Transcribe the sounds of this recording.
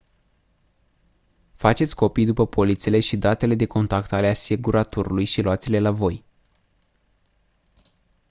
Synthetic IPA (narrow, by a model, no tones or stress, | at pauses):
fat͡ʃe̞t̪sʲko̞pijd̪upəpʰo̞lit̪siele̞ʃid̪at̪e̞le̞d̪e̞ko̞nt̪akt̪aleaseɡuɾat̪oɾulujʃiloat̪sele̞lavo̞j